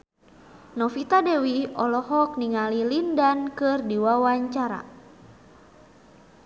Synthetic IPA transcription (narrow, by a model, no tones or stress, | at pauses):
nɔfit̪adewiɔlɔɦɔk̚niŋalilindankɨrdiwawaɲt͡ʃaɾa̰